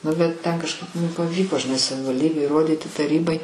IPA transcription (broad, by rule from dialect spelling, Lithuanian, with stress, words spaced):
ˈnʊ bʲɛt ˈtʲɛn kɐʃˈkɐɪp ˈmʊm pɐˈʋʲiːkoː ʒʲɪˈnɐɪ sɐʋʲɪʋɐlʲˈdʲiːbʲeːj iːˈroːdʲiːtʲɪ tɐˈrʲiːbɐɪ